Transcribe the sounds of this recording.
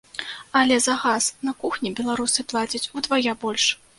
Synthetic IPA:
ɐlʲɛzɐɣasnɐkuxnʲibʲɛlˠaɾusɨplˠat͡sʲɐt͡sʲud̪vajabɔlʲʂ

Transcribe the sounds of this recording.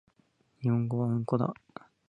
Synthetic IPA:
ɲihõŋɡoβaɯŋkod̪a̰

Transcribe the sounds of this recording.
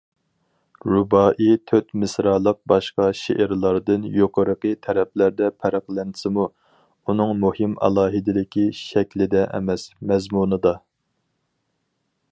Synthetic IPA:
ɾubɑːʔit̪ʰøt̪mɨsɾɑlˠəq̚bɑʃqɑʃḛʔɪɾlˠɑɾd̪ɨnjoqʰəɾəqət̪ʰɛɾɛp̚læɾd̪ɛpʰæɾɑχlˠɛnʰsɨmu | unɨŋmuhɪmɑ̰lˠɑːɦɨd̪ɪlɪkʲiʃɛkʲlɪd̪ɛʔɛ̰mɛsmɛzmunɨd̪ɑ

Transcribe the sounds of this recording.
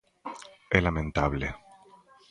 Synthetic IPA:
elamẽnt̪aβlḛ

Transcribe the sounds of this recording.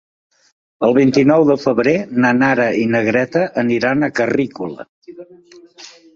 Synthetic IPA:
əlˠβint̪inɔwðəfəβɾenanaɾəinəɣɾɛt̪əʔəniɾanəkərikulə̰

